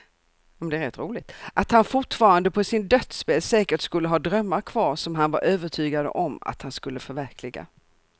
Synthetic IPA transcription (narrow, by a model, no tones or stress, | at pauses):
jmɛnd̪ɛæɾɛt̪ːɾuːlɪɡ̚t̪ʔat̪hanfʊʈfɑːɾand̪əpʰɔsɪnd̪œt̪speːlsɛːkəʈskɵlːəɦɑːd̪ɾœmːaɾkʰvɑːɾʂɔmɦanvaɾʔøːvəʈʰyːɡad̪ə̰ʔɔma̰t̪hanskɵlːəfœɾvæɾkʰlɪɡa̰